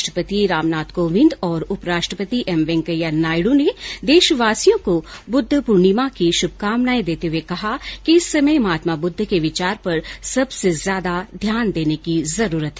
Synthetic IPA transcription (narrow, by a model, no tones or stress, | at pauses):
ʃʈɾəpət̪iɾaːmnaːt̪koːʋɪ̃nd̪ɔːɾʊpɾaːʃʈɾəpət̪iʔɛmʋẽŋkəjanaːɪɽõned̪eːʃʋaːsijõkobʊd̪ʱːəpʊɾɳimakiʃʊb̚ʱkaːmnaːẽd̪eːt̪eɦuwekɐɦakiɪsːɐməjmaːt̪mabʊd̪ʱːkeʋɪt͡ʃaːɾpɐɾsɐbsezjaːd̪ad̪ʱjaːnd̪eːnekizɐɾuːɾət̪ɦɛ